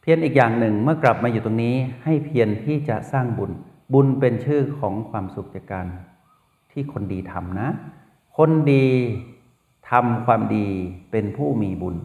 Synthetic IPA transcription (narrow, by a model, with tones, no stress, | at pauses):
pʰi˧ənʔiː˨˩k̚jaː˨˩ŋnɯ˨˩ŋmɯ˥˩ɐkla˨˩p̚maː˧juː˨˩t̪o˧ŋniː˦˥ha˥˩jpʰi˧ənt̪ʰiː˥˩t͡ɕa˨˩saː˥˩ŋbu˧n | bu˧npe˧nt͡ɕʰɯː˥˩kʰɔː˩˦ŋkʰwaː˧msu˨˩k̚t͡ɕa˨˧˩kaː˧n | t̪ʰiː˥˩kʰo˧ndiː˧t̪ʰa̰˧mna˦˥ | kʰo˧ndiː˧ | t̪ʰa˧mkʰwaː˧mdiː˧pe˧npʰuː˥˩miː˧bu˧n